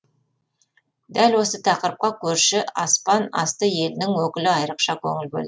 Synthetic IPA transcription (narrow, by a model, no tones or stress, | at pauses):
d̪ælwo̞sət̪ʰɑqəɾəp̚qɑkʲʰɵɾʃɪɑspɑnɑ̰st̪əje̞lɪnɪŋwɵkʲɪlɪɑjɾəqʃɑkʲʰɵŋɪlbo̰lˠd̪